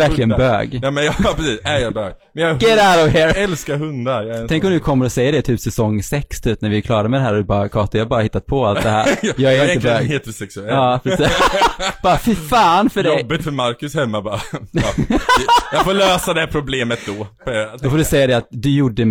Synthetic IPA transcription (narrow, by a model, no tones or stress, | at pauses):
æɾklɪɡənbø̰ːɡjmɛnjɑpʰɾɛsiːsæjɑbøːɡmmɛnjɑɡɛɾæɾɔvɦɛɾɛlskaɾɦɵnd̪aɾj̪ʰɛŋkɔmd̪ɵkʰɔmːəɾɔsɛjːəɖɛt̪ʰyːpsɛsɔŋsɛkst̪ʰyːpnæɾvɪkʰlɑːɾaɾmɛd̪ɛɦæːɾɔd̪ɵbɑːɾakʰɑːt̪ɪjɑhabɑːɾahɪt̪ːat̪̚pʰɔalt̪d̪ɛhæ̰ːɾjɑːɡæɾɪnəøːɡheːt̪əɾsɛksɛlɑːpʰɾɛ | b̥ɑːɾfɪfɑːnfœɖjɛɔjbːɪt̪fœɾmaɾkɵshɛmːabɑ | jɑfoːløːsad̪ɛæpʰɾʊbleːmət̪̚d̪ɔp̪d̪ɔfoːdɵsɛjːad̪ɛat̪̚d̪ɵjʊɖːə